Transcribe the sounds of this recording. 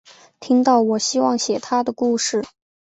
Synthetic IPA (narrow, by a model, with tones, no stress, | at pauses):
t̪ʰi˥ŋt̪ɑ˥˩ʊwɔ˨˩ɕi˥wɑ˥˩ŋɕjɛ˨˩t̪ʰa˥d̪ə˨ku˥˧ʂɻ̩˥˩